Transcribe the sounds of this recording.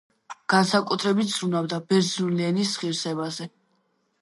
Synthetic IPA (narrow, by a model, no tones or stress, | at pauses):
ɡ̥ansakʼut̪ʰɾɛbit̪̚ʰz̥ɾunabd̪abɛɾzulɛnisχiɾsɛbazɛ